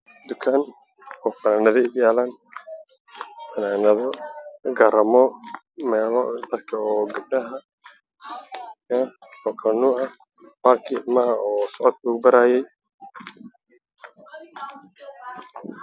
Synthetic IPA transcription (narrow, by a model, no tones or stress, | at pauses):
d̪ʊkʰaːn | ɔːfɐnaːnɐðɛdjaːlaːn | fɐnaːnɐðɔɡɐɾɐmɔ | mɛːlɔd̪ɐrkʰɐɔːɡʊb̚ɖɐɦɐ | ɔkʰɐnuːɐ | mɐrkʰɪmɐɦɐɔːsɔʕɔd̪̚kʰʊːɡʊbɐɾaːjɛj